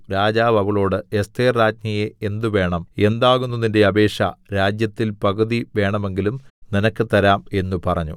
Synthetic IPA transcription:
ɾaːd͡ʑaːʋɐʋɐɭo̞ːɽɨest̪eːrɾaːd͡ʑɲijeend̪uʋe̞ːɳɐme̞nd̪aːɣunːɐðinde̞ɐbe̞ːʂɐ̰ɾaːd͡ʑjɐt̪ːilpɐɣɐðiʋe̞ːɳɐme̞ŋɡilumninɐkːɨt̪ɐɾaːme̞nːupɐrɐɲːṵ

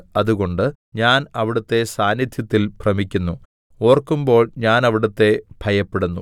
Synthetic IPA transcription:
ɐðuɣo̞ɳɖɨ | ɲaːnɐʋiɽut̪ːe̞saːnjid̪ʱjɐt̪ːilkrɐmikʲːunːu | o̞ːrkːumbo̞ːɭɲaːnɐʋiɽɐt̪ːe̞b̥ʱɐjɐpːeɽunːu

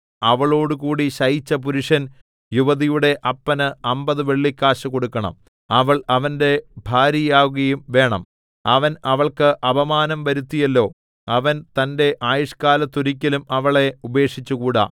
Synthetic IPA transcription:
ɐʋɐɭo̞ːɽukuːɽiɕɐjit͡ɕːɐp̬uɾuʂɐn | juʋɐðijuɽe̞ʔɐpːɐnɨɐmbɐðɨʋe̞ɭːikːaːɕɐko̞ɽukːɐɳɐ̰m | ɐʋɐɭɐʋɐnde̞bʱaːɾijaːɣuɣɐjumʋe̞ːɳɐ̰m | ɐʋɐnɐʋɐɭkɨʔɐbɐmaːnɐmʋɐɾut̪ːijɐlːo̞ː | ɐʋɐnt̪ɐnde̞ʔaːjɐʂkaːlɐt̪ːuɾikʲːɐlumɐʋɐɭe̞ube̞ːʂit͡ɕːukuːɽa̰ː

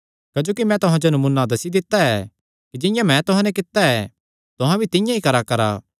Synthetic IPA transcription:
kɐd͡ʒoːkimɛ̃t̪ʊɦãd͡ʒonɐmunːad̪ɐsid̪ɪt̪ːaɛ | kid͡ʒɪ̃jãmɛ̃t̪ʊɦãnɛk̬ɪt̪ːaɛ | t̪ʊɦãbʱit̪ɪ̃jãikɐɾakɐɾa̰ː

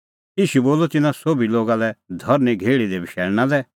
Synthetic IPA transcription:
iːʃuboːlɔt̪ɪnãsobiloːɡalɛd̪ʱɐɾniɡʱeːɭid̪ebʱɪʃɛːɭñãlɛ

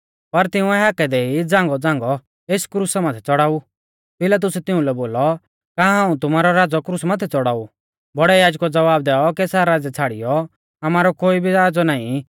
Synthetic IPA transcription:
pɐɾt̪ɪũɛɦaːkɛd̪ɛid͡zãːŋɡɔd͡zãːŋɡɔ | eːskɾuːsamat̪ʰɛt͡sɔɽaːu | pɪlat̪̬ʊsɛt̪ɪũlɛboːlɔ | kaɦãːũt̪ʊmaːɾɔɾaːd͡zɔkɾuːsmat̪ʰɛt͡sɔɽaːu | bɔɽɛjaːd͡ʒkɔd͡zɐʋaːbd̪ɛːɔkɛsaɾɾaːd͡zɛt͡sʰaːɽijɔ | amaːɾɔkoːibʱiaːd͡zɔnaːĩ

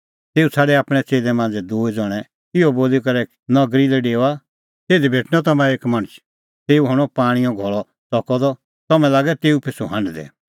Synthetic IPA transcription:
t̪eːut͡sʰaːɖɛaːpɽ̃ɛt͡seːlɛmãːnd͡zɛd̪uːɛd͡zɔɽ̃ɛ | ɪɔboːlik̬ɐɾɛ | nɐɡɾilɛɖeːa | t̪eːd̪ibʱeːʈʰnɔt̪ɐmãeːkmɐ̃ɽ̃ət͡ʃʰ | t̪eːuɦɔɽ̃ɔpaːɽ̃ijɔ̃ɡʱɔɭɔ | t͡sɔkɔd̪ɔ | t̪ɐmɛ̃laːɡɛt̪eːupʰɪsuɦɐ̃ɳɖd̪ɛ̰

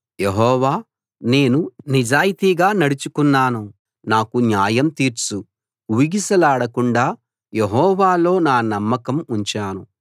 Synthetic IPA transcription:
jeɦɔːʋaː | ne̞ːnunid͡ʒaːjit̪iɡaːnɐɽut͡ʃukunːaːnu | naːkunjaːjɐmt̪iːɾt͡ʃu | uːiɡisɐlaːɽɐkuɳɖaː | jeɦɔːʋaːlo̞ːnaːnɐmːɐkɐmuɲt͡ʃaːnu

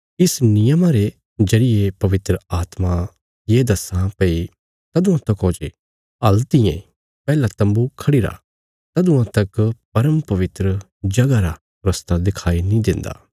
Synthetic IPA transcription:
ɪsnɪjəmaɾe | d͡ʒɐɽɪjepɐʋɪt̪ɾəaːt̪ma | jeːd̪ɐsãpɐi | t̪ɐd̪ʊ̃ãt̪ɐkoːd͡ʒe | ɐlt̪ijḛ̃ | pɛːlat̪ɐ̃mbukʰɐɽiɾa̰ | t̪ɐd̪ʊ̃ãt̪ɐkpɐɾəmpɐʋɪt̪ɾə | d͡ʒɐɡaɾa | ɾɐst̪ad̪ɪkʰaːinĩd̪ɪ̃nd̪a̰ː

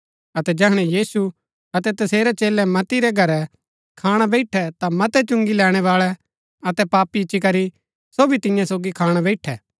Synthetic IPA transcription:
ɐt̪ɛd͡ʒɛɦɽ̃ɛjiːsu | ɐt̪ɛt̪ɐseːɾɛt͡ʃeːlɛmɐt̪iɾɛɡʱɐɾɛ | kʰaːɽ̃abɛɪʈʰɛt̪amɐt̪ɛt͡ʃʊ̃ŋɡilɛːɽ̃ɛʋaːɭɛ | ɐt̪ɛpaːpit͡ʃikɐɾi | soːbʱit̪ɪ̃jãsoːɡikʰaːɽ̃abɛɪʈʰɛː

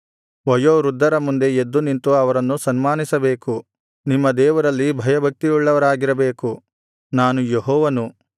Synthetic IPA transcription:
ʋɐjoːɾud̪ʱːɐɾɐmund̪e̞ed̪ːunint̪uɐʋɐɾɐnːusɐnmaːnisɐbeːku | nimːɐd̪ɛːʋɐɾɐlːibʱɐjɐbʱɐk̚t̪ijuɭːɐʋɐɾaːɡiɾɐbeːku | naːnujeɦɔːʋɐnu

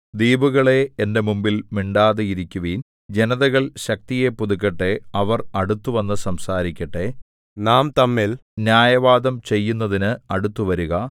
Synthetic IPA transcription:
d̪iːbuɣɐɭe̞ende̞mumbilmiɳɖaːðeiɾikʲːuʋiːn | d͡ʑe̞nɐðɐɣɐɭɕɐk̚t̪ije̞pːuðuk̬ːɐʈːe̞ɐʋɐrɐɽut̪ːuʋɐnːɨsɐmsaːɾikʲːɐʈːe̞ | naːmt̪ɐmːilnjaːjɐʋaːd̪ɐmt͡ɕe̞jːunːɐðinɨɐɽut̪ːuʋɐɾuɣɐ

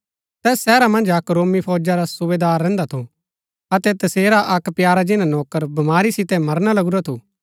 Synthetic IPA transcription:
t̪ɛːsːɛːɾamɐ̃nd͡ʒɐkɾoːmipʰɔːd͡ʒaɾasuʋeːd̪aːɾːɛ̃ːnd̪at̪ʰo | ɐt̪ɛt̪ɐseːɾaʔɐkpjaːɾad͡ʒɪnãnɔːkəɾbɐmaːɾisɪt̪ɛmɐɾñalɐɡuɾat̪ʰoː

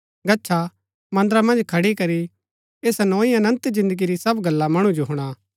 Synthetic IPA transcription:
ɡɐtːʃʰa | mɐ̃nd̪əɾamɐ̃nd͡ʒkʰɐɽikɐɾi | eːsnɔːĩɐnə̃nt̪d͡ʒɪ̃nd̪əɡiɾisɐbɡɐlːamɐɽ̃ud͡ʒoɦʊɽ̃a

